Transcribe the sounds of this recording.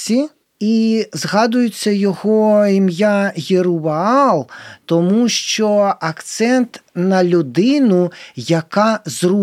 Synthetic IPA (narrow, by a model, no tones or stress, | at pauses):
i | izɣɑd̪ʊjʊt͡sʲːɐjɔɣɔimjaɣʲiɾuʋɐɑlˠt̪ɔmuʃt͡ʃɔɐkt̪sɛnt̪nɐlʲud̪ɪnujɐkazru